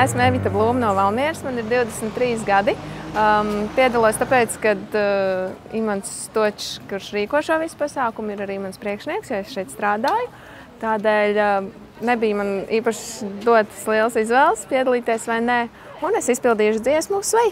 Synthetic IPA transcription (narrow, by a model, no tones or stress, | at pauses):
esmɛvit̪ablˠuːmnuɔvalˠmiɛɾsmaniɾd̪iwd̪ɛsmt̪ːɾiːs̬ɡad̪i | piɛd̪alˠuɔst̪apɛːt̪skad̪ | ḭmans | t̪uɔt͡ʃkuɾʃɾiːkuɔʃoɔvispasaːkumiɾaɾiːmanspɾiɛkʃniɛksjaesʃɛjt̪st̪ɾaːd̪aːjʊ | t̪aːd̪ɛːlʲ | nebijmaniːpaʃd̪uɔt̪slˠiɛlˠsizʋɛːlˠspiɛd̪alˠiːt̪iɛsʋajne | unesispilˠd̪iːʃ̬d̪ziɛsmusʋɛj